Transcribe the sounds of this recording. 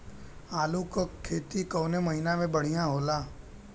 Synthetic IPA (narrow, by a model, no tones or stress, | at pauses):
aːlukokʰːeːt̪ikɔːnemɐɦinamẽbɐɽ̤ijãɦoːlaː